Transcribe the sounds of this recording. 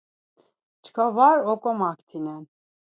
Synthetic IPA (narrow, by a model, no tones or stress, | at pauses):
t͡ʃʰkʰavaɾɔkʼɔmakʰt̪ʰinɛn